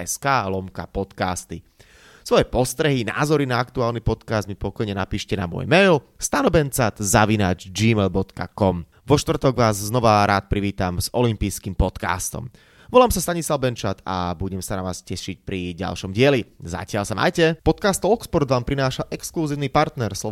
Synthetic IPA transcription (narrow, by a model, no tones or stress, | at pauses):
ɛskaːlɔmka̰pɔt̪ka̰ːst̪i | sʋɔjɛpɔst̪ɾɛɦina̰ːzɔɾinaakt̪uaːlnipɔt̪kaːzd̪̚mipɔkɔjɲɛnapiːʃcɛna̰mɔ̰jmɛjl | st̪anɔbɛnt͡sat̪zaʋinaːd͡ʒd͡ʒiːmɛlbɔt̪ka̰kɔm | ʋɔʃt̪ʋr̩t̪ɔɡʋaːzːnɔʋaɾaːt̪̚pɾiʋiːt̪amzɔlimpiːskimpɔt̪ka̰ːst̪ɔ̰m | ʋɔlaːmsast̪aɲislaʊbɛnt͡ʃat̪ʰa̰buɟɛmsanaʋaːscɛʃic̚pɾiɟa̰lʃɔmɟɪɛliza̰cɪalsama̰ːjcɛpɔt̪̚kaːst̪ɔlkspɔɾd̪ʋaːmpɾinaːʃaʔɛkskluziːʊnipaɾt̪nɛɾslɔ